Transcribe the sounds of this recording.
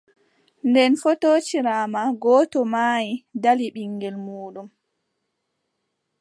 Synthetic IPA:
ndɛnfɔtoːt͡ʃiɾaːmaɡɔːtɔmajidaliɓiŋːɡɛlmuːɗum

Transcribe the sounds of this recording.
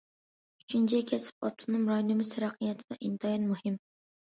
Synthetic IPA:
yt͡ʃʰint͡ʃʰɛkʲʰɛsɪ̥pɑt̪ʰːɨnɨmɾɑjnɨmɨsɛɾɑqʰijɛt̪ʰɪd̪ɑʔint̪ʰɑjɑnmuhɪm

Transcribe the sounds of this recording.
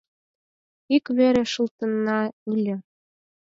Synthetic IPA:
ikβeɾĕʃɤlt̪ɤ̆nːɑylʲɘ̆

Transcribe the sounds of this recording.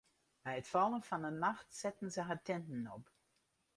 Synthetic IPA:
bɛjətfɔlˠənfɔnənmaxtsɛtən̩zəɦatɛntn̩ɔp

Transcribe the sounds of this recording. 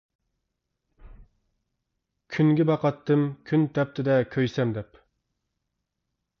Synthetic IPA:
kʲʰyŋɡʲɪbɑqɑt̪ːɨmkʲʰynt̪ʰɛp̚t̪ʰɪd̪ɛkʲʰøjsɛmd̪ɛp

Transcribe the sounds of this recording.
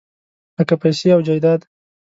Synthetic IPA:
akapajseawd͡ʒajd̪ɑːd̪

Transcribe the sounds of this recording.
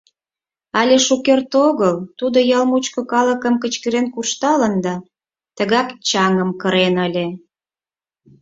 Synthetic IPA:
ɑlʲeʃukert̪oɣəlt̪ud̪ojɑlmut͡ɕkokɑləkə̆mkət͡ɕkə̆ɾenkuʃt̪ɑlənd̪ɑ | t̪əɣɑkt͡ɕɑŋəmkəɾenəlʲe

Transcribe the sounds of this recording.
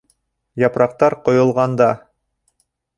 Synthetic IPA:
jɑpɾɑq̚t̪ɑɾqŏjŏlˠʁɑnd̪ɑ

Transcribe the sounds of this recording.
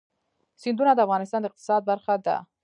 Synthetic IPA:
sɪnd̪unad̪əafɣɑnɪst̪ɑnd̪əɪqt̪ɪ̥sɑd̪̚baɾxad̪a̰

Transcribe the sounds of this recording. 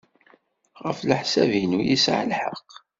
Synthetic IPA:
ʁəfləħsævinujisʕlħə̰qː

